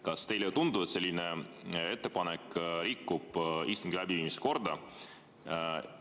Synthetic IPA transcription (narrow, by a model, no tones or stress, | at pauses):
kɑst̪e̞jlet̪und̪uet̪se̞lʲːine | e̞t̪ːe̞pɑnɛkːɾikːub̥ist̪uŋɡilæbiviːmise̥ko̞rd̪ɑ